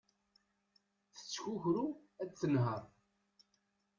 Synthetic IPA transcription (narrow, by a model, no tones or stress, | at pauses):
θə̥t͡sːçuçɾuæt͡st͡sːənɦəɾˤ